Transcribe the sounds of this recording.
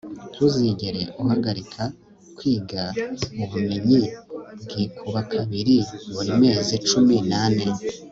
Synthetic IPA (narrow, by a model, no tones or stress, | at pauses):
tʰuziɟeɾeʔuɦaɡaɾikʰa | kwiːɡauβumeɲibɡikʰuβakʰaβiɾiβuɾime̞ːzit͡ʃuminane